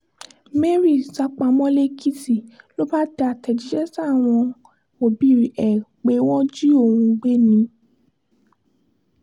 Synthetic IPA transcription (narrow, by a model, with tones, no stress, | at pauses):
me˦ɾi˦˨sa˨˦k͡pa˧mɔ̃˦le˦kʰi˦ti˦˨ | lo˦ba˦da˨a˨tɛ˨d͡ʒi˨˦d͡ʒɛ˦sa˦˨w̃ɔ̃˧ | o˨bi˦˨ɛ˨k͡pe˨˧˦w̃ɔ̃˦d͡ʒi˦o˦˨ũ˧ɡ͡be˦nĩ˨˦